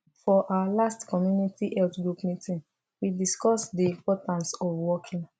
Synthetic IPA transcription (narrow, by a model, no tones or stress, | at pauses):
fɔʔawalastkɔmjunitʰiʔɛltɡɹupmitʰĩn | widiskɔsdiĩmpɔtãnsɔfwɔkʰĩŋ